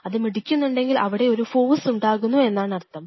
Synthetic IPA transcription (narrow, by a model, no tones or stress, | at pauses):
ɐðɨmiɽikʲːunːuɳɖe̞ŋɡilɐʋiɽe̞o̞ɾufo̞ːʋsuɳɖaːɣunːue̞nːaːɳɐrt̪ːɐm